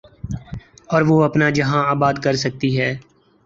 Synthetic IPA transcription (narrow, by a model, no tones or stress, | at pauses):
ɔːɾʋoːɐpnad͡ʒɐɦãaːbaːd̪kɐɾsɐk̚t̪iɦɛː